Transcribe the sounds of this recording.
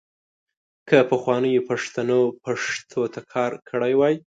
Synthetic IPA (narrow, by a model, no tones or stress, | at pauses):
kəpəxwɑnəjopaʂt̪anopaʂt̪ʰot̪ʰakʰɑɾkʰəɽajwɑj